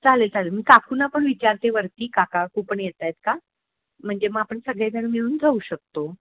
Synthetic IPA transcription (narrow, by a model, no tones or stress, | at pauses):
t͡salet͡salemikakʰuːnapəɳʋit͡ɕaɾt̪eʋəɾt̪iːkakakupəɳjet̪ajt̪̚ka | m̤əɳd͡zeməɡapəɳsəɡɭed̪aɽ̃miɭuːnd͡zauːɕək̚t̪o